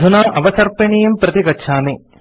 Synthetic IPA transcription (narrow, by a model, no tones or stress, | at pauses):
unaːʔɐʋɐsɐrpɐɳijumpɾɐt̪ikɐːʃʰaːme